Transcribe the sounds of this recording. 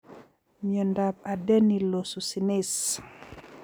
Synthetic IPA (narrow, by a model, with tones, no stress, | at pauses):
mjɔ˨nda˨p̚a˨de˦ni˨lo˨su˨si˨ni˦s